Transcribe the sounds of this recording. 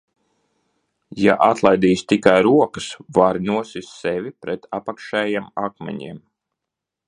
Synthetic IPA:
ja̰ʔat̪lˠajd̪iːst̪ikajɾuɔkəsvaɾnuɔsisːɛvʲipɾɛt̪ʰapakʃɛːjɛmakmɛ̰ɲḭɛm

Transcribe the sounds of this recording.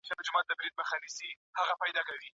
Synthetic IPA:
ʃabd͡ʒʊmɑt̪̚d̪əbɾid̪̚məxɑnisi | haɣapɑjd̪ɑkawi

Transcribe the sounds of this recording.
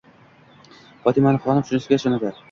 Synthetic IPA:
fɒt̪ɪmanɪχɒnɪpʃʊnɪsɪɡʲaʃɒnad̪aɾ

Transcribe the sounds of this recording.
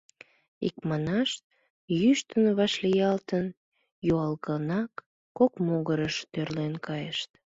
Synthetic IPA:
ḭkmɑnɑʃt̪̚ | jyʃt̪ənβɑʃlijɑlt̪ən | joɑlɣənɑkː | okmoɣəɾəʃt̪ørlenkɑjəʃt̪

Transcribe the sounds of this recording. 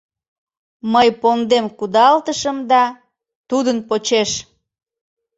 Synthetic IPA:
məjpond̪emkud̪ɑlt̪əʃəmd̪ɑ | t̪ud̪ənpot͡ɕeʃ

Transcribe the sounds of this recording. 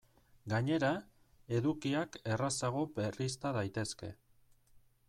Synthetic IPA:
ɡaɲe̞ɾa | e̞ðukiake̞rasaɣ̞o̞berist̪aðajt̪e̞ske̞

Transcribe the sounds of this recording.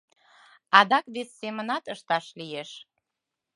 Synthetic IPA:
ɑd̪ɑkβesːemənɑt̪əʃt̪ɑʃlijeʃ

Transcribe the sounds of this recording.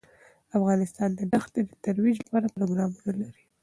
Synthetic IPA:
afɣɑnɪst̪ɑnd̪əɖaxt̪d̪ed̪ət̪aɾwid͡ʒlapɑɾapɾoɡɾɑmunalaɾi̥

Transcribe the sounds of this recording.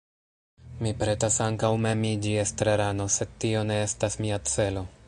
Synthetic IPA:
mipɾe̞tasaŋkawme̞mid͡ʒiestɾeɾano̞se̞d̚tio̞ne̞estasmiat͡se̞lo̞

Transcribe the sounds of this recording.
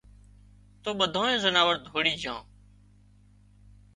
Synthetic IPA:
t̪oːɓəd̪ʱãːẽːzənaːʋəɾd̪ʱoːɽiːd͡ʒʱãː

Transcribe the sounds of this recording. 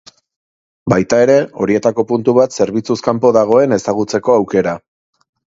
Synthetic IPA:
bajt̪ae̞ɾe̞o̞ɾie̞t̪ako̞punt̪uβat̪se̞ɾβit͡suskampo̞ðaɣ̞o̞e̞ne̞saɣ̞ut͡se̞ko̞awke̞ɾa

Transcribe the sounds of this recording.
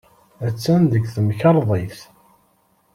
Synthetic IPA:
æt͡sːænd̪əɡθəmçɑɾˤðˤeθ

